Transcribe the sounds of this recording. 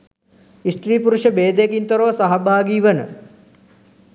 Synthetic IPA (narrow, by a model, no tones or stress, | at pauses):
isʈriːpuɾuʃəbeːd̪ekint̪oɾəʋəsaɦɐbaːɡiːʋənə̰